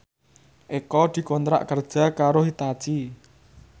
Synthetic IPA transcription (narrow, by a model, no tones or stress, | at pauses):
ʔekɔd̪̥i̤kont̪ɾa̰ʔkərd̥ʒ̥a̤kaɾohit̪at͡ʃi